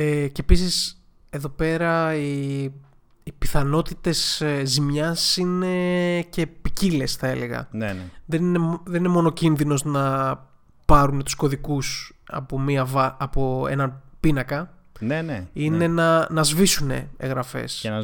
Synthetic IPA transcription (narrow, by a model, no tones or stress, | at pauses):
ecepisis | e̞ðo̞pe̞ɾɐi | piθɐno̞t̪it̪e̞szimɲɐsine̞ce̞picile̞sθɐe̞le̞ɣɐ̰nnðe̞nineðenine̞mo̞no̞cinðino̞znɐ | pɐɾunet̪u̥skoðikusɐ̰pomiɐvɐɐpoḛnɐnpinɐkɐ | neneine̞nɐnɐzvisune̞̰eɣɾɐfe̞̰s